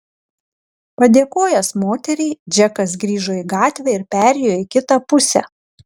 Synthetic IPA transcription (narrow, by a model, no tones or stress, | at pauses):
pɐd̪ʲeːkoːjɛsmoːt̪ʲɛɾʲɛɪd͡ʒʲɛkɐs̬ɡɾʲiːʒoːiɡɑːt̪ʲʋʲɛˑɪɾpʲæːɾʲɛjoːɪkʲɪt̪ɑpʊsʲɛ̰